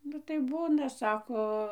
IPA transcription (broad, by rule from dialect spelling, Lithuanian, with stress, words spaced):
nʊ tɐɪ ˈbuːnɐ ˈsɑːkoː